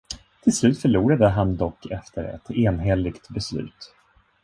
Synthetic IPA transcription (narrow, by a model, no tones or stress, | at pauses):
t̪ʰɪlslʉ̟ːt̪fœɭuːɾad̪əɦand̪ɔkʰːɛft̪əɾɛ̰t̪eːnɦɛlɪɡt̪bɛslʉ̟̰ːt̪